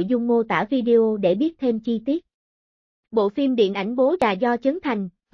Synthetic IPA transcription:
jzʊ˧wŋ͡mmo˧t̪a̰ː˧˩vi˧ɗe˧ʔo˧ɗe˧˩ɓi˦˥ət̚t̪ʰe˧mt͡ɕi˧t̪i˦˥ət̚ | ɓo̰˧˨fi˧mɗḭ˧˨nʔa˧˩jŋ̟ɓo˨˦zaː˨˩zɔ˧t͡ɕɨ˨˦ŋt̪ʰa˨˩jŋ̟v

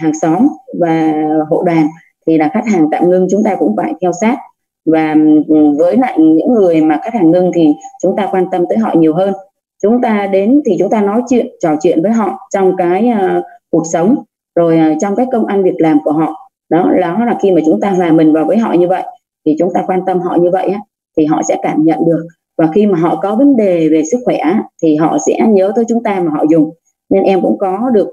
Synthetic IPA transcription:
ɦaː˨˩ŋsɔ˨˦mvaː˨˩ɦo̰˧˨ɗaː˨˩n | t̪ʰi˨˩laː˨˩xa˦˥k̚haː˨˩ŋt̪a̰ː˧˨mŋɨ˧ŋt͡ɕʊ˨˦ŋ͡mt̪aː˧kʊ̰˧˥ŋ͡mfaː˧˩jt̪ʰɛ˧wsaː˦˥t̚ | vaː˨˩vəː˨˦jla̰ː˧˨jɲɨ̰˧˥ŋːɨ˨˩əjmaː˨˩xa˦˥k̚haː˨˩ŋŋɨ˧ŋt̪ʰi˨˩t͡ɕʊ˨˦ŋ͡mt̪aː˧kwaː˧nt̪ə˧mt̪əː˨˦jɦɔ̰˧˨ɲi˨˩əwɦəː˧n | t͡ɕʊ˨˦ŋ͡mt̪aː˧ɗe˨˦nt̪ʰi˨˩t͡ɕʊ˨˦ŋ͡mt̪aː˧nɔ˨˦jt͡ɕwḭ˧˨ənt͡ɕɔ˨˩t͡ɕwḭ˧˨ənvəː˨˦jɦɔ̰˧˨t͡ɕɔ˧wŋ͡mkaː˨˦jku˨˩ək̚sə˨˦wŋ͡m | zo˨˩jʔːt͡ɕɔ˧wŋ͡mkaː˨˦jkə˧wŋ͡mʔa˧ŋvi˨˩ək̚laː˨˩mku˧˩əɦɔ̰˧˨ | ɗɔ˨˦lɔ˨˦laː˨˩xi˧maː˨˩t͡ɕʊ˨˦ŋ͡mt̪aː˧laː˨˩mːï˨˩ŋ̟vaː˨˩wvəː˨˦jɦɔ̰˧˨ɲɨ˧və̰˧˨j | t̪ʰi˨˩t͡ɕʊ˨˦ŋ͡mt̪aː˧kwaː˧nt̪ə˧mɦɔ̰˧˨ɲɨ˧və̰˧˨jʔaː˨˦ | t̪ʰi˨˩ɦɔ̰˧˨sɛ̰˧˥kaː˧˩mɲə̰˧˨nɗɨ˨˩ək̚ | vaː˨˩xi˧maː˨˩ɦɔ̰˧˨kɔ˨˦və˨˦nɗe˨˩ve˨˩sɨ˦˥k̚xwɛ˧˩ʔaː˨˦t̪ʰi˨˩ɦɔ̰˧˨sɛ̰˧˥ɲəː˨˦t̪əː˨˦jt͡ɕʊ˨˦ŋ͡mt̪aː˧maː˨˩ɦɔ̰˧˨zʊ˨˩ŋ͡m | ɲe˧nʔɛ˧mkʊ̰˧˥ŋ͡mkɔ˨˦ɗɨ˨˩ək̚

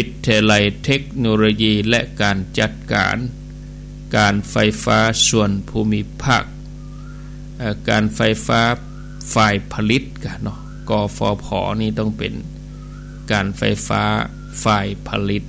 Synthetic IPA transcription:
pi˧˥t̪ʰːi˧la˧˩jt̪ʰe˦˥k̚noː˧loː˧jiː˧˩lɛ̰˧ʔkaː˨nt͡ɕa˧˩t̪̚ka̰ː˨n | kaː˨˩nfa˧jfaː˦˥su˧ənpʰuː˧mi˧˥pʰaː˥˩k̚ | ʔaː˧˩kaː˨˩nfa˧jfaː˦˥ | faː˧˩jpʰa˧li˧˦˥t̪̚ka˧˩nɔ˧˩ʔ | kɔː˧˩fɔ̰ː˧pʰɔ̰ː˨˩˦niː˥˩t̪ɔ˥˩ŋpe˨n | kaː˨˩nfa̰˧jfa̰ː˦˥ | faː˧˩jpʰa˧li˧˦˥t̪̚

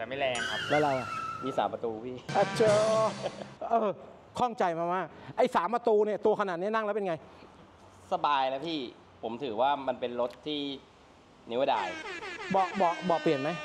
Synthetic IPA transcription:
t̪ɛː˨˩ma˥˩jlɛː˧ŋkʰa˦˥p̚laː˦˩ɾa˧wa˨˩miː˧sa̰ː˩˦mpɾa˧t̪uː˧pʰiː˥˩ʔa˧˩t͡ɕʰoː˧˩ | ʔɤː˧ | kʰɔ˥˩ŋt͡ɕa˧jmaː˧maː˥˩k̚ʔa˧˩jsaː˩˦mpa˧t̪uː˧ni˥˩ɐt̪u˧ɐkʰa˧na˨˩t̪̚ni˦˥na˥˩ŋlɛ˦˥wpe˧nŋa˧j | sa˧baː˧jlɛ˦˥pʰiː˥˩ | pʰo˩˦mt̪ʰɯː˩˦waː˥˩ma˧npe˧nɾo˦˥t̪̚ʰːiː˥˩ | ni˦˥wda̰ː˧jbɔː˨˩k̚bɔː˨˩k̚bɔː˨˩kpli˨˩ənma˦˥j

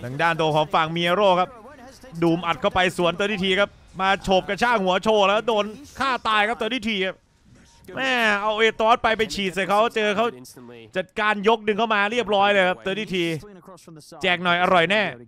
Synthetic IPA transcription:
t̪ʰa˧ŋdaː˥˩nt̪u˧ə˧kʰɔː˩˦ŋfa˨˩ŋmi˧a˧ɾoː˥˩kʰa˦˥p̚duː˨˩mʔa˨˩t̪̚kʰa˥˩wpa˧jsu˨˩˦ənt̪u˧ɾiː˧˥˩t̪ʰiː˧˩kʰa˦˥p̚maː˧t͡ɕʰoː˨˩p̚ka˧t͡ɕʰaː˥˩ŋhu˩˦ɐt͡ɕʰoː˧˩lɛː˦˥wdoː˧nkʰaː˥˩t̪aː˧jkʰa˦˥p̚t̪ɔː˧t̪iː˧˥˩t̪ʰiː˧kʰa˦˥p̚ | mɛː˧˥˩ʔa˧wʔeː˧˩t̪ɔː˦˥t̚pa˧jpa˧jt͡ɕʰiː˨˩t̪̚sa˨˩jkʰa˦˥wt͡ɕɤː˧kʰa˦˥wt͡ɕa˨˩t̪̚kaː˧njo˦˥k̚nɯ˧ŋkʰa˥˩wmaː˧ɾi˥˩əp̚ɾɔː˦˥jlɤː˧kʰa˦˥p̚t̪u˧t̪ʰiː˥˩t̪ʰiː˧ | t͡ɕɛː˨˩k̚nɔ˨˩jʔa˧ɾɔ˨˩jnɛː˥˩

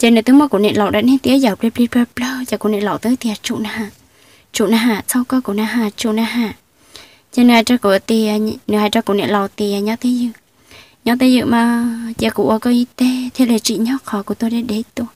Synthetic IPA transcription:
t͡ɕa˧nɨ˨t̪ɨ˨˦mɔ˧kṵ˨˧˨nḛ˧˨lɔ˨wɗa̰˧˥nɛ˧˦t̪i˧˦ə˦za˨˩ple˧˦pli˧pə˧plə˧za˨˧˩kṵ˧˨nḛ˧˨lɔ˨wt̪ɨ˨˦t̪i˧˨a˨˩t͡ʃṵ˧ʔna˧ɦaː˧˨ | t͡ʃu˧˨na˧ɦaː˧˨sa˧wkɔ˧˦ku˧˨na˧˩ɦaː˧˨t͡ʃu˧˨na˧ɦaː˧˨ | t͡ɕa˧nɨ˧˨ha˨˧˨ʈ͡ʂa˧ku˧˨t̪i˧˩a˧˨˧nɨ˨ha˨˧˨ʈ͡ʂa˧ku˧˨nḛ˧˨lɔ˨wt̪i˧˩˨a˨ɲɔ˨˦t̪e˧˦zɨ˧˨ | ɲɔ˧˦t̪e˦zɨ̰˧˨ʔmaː˨˩ja˧˨kṵ˧˨ʔə˧˩kɔ˧˦ʔi˧t̪e˧˦t̪ʰe˧˦le˨˩t͡ɕḭ˧˨ɲɔ˦khɔ˧˨ku˧˩˨t̪o˧jɗe˧˦ɗe˨˦t̪u˧˩

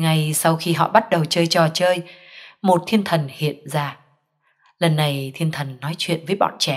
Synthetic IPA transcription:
ŋa˨˧˩jsa˧wxi˧ɦɔ̰˧˨ɓa˦˥t̚ɗə˨˩wt͡ɕəː˧jt͡ɕɔ˨˩t͡ɕəː˧jmo˨˩t̚t̪ʰi˧ənt̪ʰə˨˩nhḭ˧˨ənzaː˧˩ | lə˨˩nːa˨˩jt̪ʰi˧ənt̪ʰə˨˩nːɔ˨˦jt͡ɕwḭ˧˨ənvəː˨˦jɓɔ̰˧˨nt͡ɕɛ˧˩

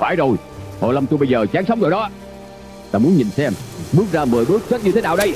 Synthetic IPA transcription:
faː˧˩jzo˨˩j | ho̰˨˩jlə˧mt̪u˧jɓə˧jzəː˨˩t͡ɕaː˨˦ŋsə˨˦wŋ͡mzo˨˩jɗɔ˨˦ | t̪aː˧mu˨˦ənɲi˨˩nsɛ˧mɓɨ˦˥ək̚zaː˧məː˨˩jɓɨ˦˥ət̚t͡ɕə˦˥t̚ɲɨ˧e˨˦naː˨˩wɗə˧j

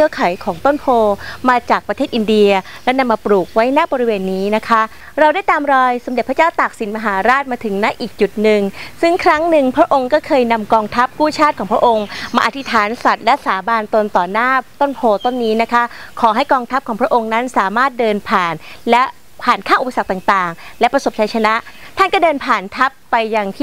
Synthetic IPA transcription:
t͡ɕʰɯ˥˩əkʰa˩˦jkʰɔː˩˦ŋt̪o˥˩npʰoː˧maː˧t͡ɕaː˨˩k̚pɾa˧t̪ʰeː˥˩t̪̚ʔi˧ndi˧ɐlɛ˦˥na˧mːaː˧pɾuː˨˩k̚wa˦˥jnaː˥˩bɔː˧ɾi˦˥weː˧nːiː˦˥na˦˥kʰa˦˥ | ɾa˧wdaː˥˩jt̪aː˧mɾɔː˧jso˨˩˦mde˨˩pʰa˥t͡ɕaː˥˩wt̪a˨˩k̚si˩˦nmaː˧ɦaː˩˦ɾaː˥˩t̪̚maː˧t̪ʰɯ˩˦ŋna˦˥ʔiː˨˩k̚t͡ɕu˨˩t̪̚nɯ˨ŋsɯ˥˩ŋkʰɾa˦˥ŋnɯ˨˧ŋpʰɾa˦˥ʔo˧ŋkɔː˥˩kʰɤː˧jna˧mkɔː˧ŋt̪ʰa˦˥p̚kuː˥˩t͡ɕʰaː˥˩t̪̚kʰɔː˩˦ŋpʰɾa˥ʔo˧ŋmaː˧ʔa˨˧t̪ʰi˦˥t̪ʰaː˩˦nsa˨˩t̪̚lɛ˦˥saː˩˦baː˧nt̪o˧nt̪ɔː˨˩naː˥˩t̪o˥˩npʰoː˧t̪o˥˩nːiː˦˥na˦˥kʰa˦˥kʰɔː˩˦ɦa˥˩jkɔː˧ŋt̪ʰa˦˥p̚kʰɔː˩˦pʰɾa˦˥ʔo˧ŋna˦˥nsaː˩˦maː˥˩t̪̚dɤː˧npʰaː˨˩nlɛ˦˥ | pʰaː˨˩nkʰaː˥˩ŋʔu˨˩pa˧sa˨˩k̚t̪aː˨˩ŋt̪aː˨˩ŋlɛ˦˥pɾa˧so˨˩p̚t͡ɕʰa˧˥jt͡ɕʰa˧na˦˥ʔt̪ʰa˥˩nkɔː˥˩dɤː˧npʰaː˨˩nt̪ʰa˦˥pːa˧jːa˧ŋt̪ʰiː˥˩

